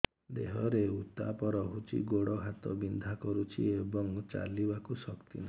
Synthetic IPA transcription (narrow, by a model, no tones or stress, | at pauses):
d̪eɦɔɾeut̪a̰pɔɾɔɦut͡ʃʰḭɡoɽɔɦat̪ɔ̰bind̪ʱakɔɾut͡ʃʰḭebɔŋt͡ʃa̰libakusɔkt̪ḭna